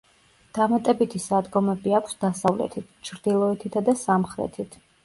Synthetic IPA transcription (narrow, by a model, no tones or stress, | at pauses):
d̪̥amat̪ʼɛbit̪ʰisad̪ɡɔmɛbiakʷʰsd̪asavlɛ̰t̪ʰit̪ʰt͡ʃʰɾd̪̥ilˠɔɛt̪ʰit̪ʰad̪asamχɾɛ̰t̪ʰit̪ʰ